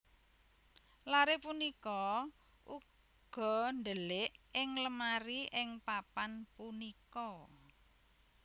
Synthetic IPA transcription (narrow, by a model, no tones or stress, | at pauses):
laɾepunikɔ | ʔu | ɡ̥ɔ̤nd̪əlɪʔɪŋləmaɾiɪŋpapanpunikɔ